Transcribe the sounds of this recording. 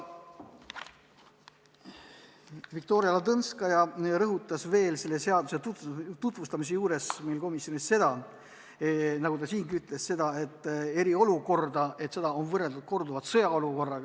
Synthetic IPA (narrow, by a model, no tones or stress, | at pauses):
vik̚t̪o̞ːɾjɑlɑt̪ɤnskɑjɑɾɤɦut̪ːˑɑsve̞ːlse̞lːe̞se̞ɑd̪uset̪ut̪vust̪ɑmis̬e̞juːɾe̞smejlko̞misjo̞nisse̞d̪̥ɑ | nɑɡud̪ɑsiːŋɡiyt̪ːˑle̞sse̞d̪̥ɑe̞t̪ːˑe̞ɾio̞luko̞rd̪ɑe̞t̪se̞d̪ɑo̞nvɤrelt̪ut̪̚ko̞rd̪uvɑt̪sɤjɑo̞luko̞rːɑɡ